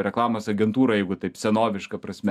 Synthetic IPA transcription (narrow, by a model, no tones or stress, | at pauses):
ɾʲɛklˠɑːmɐsɐɡʲɛnt̪uːɾɐjɛɪɡʊt̪ɐɪpsʲɛnoːʋʲɪʃkɐpɾɐsʲmʲɛ